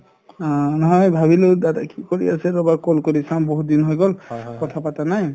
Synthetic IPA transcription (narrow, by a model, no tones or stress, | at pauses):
nɔɦɔjbʱabilodadakikoɹḭasɛɹɔbakolkoɹisamboɦut̚dinɦɔjɡɔlkɔtʰapatanaj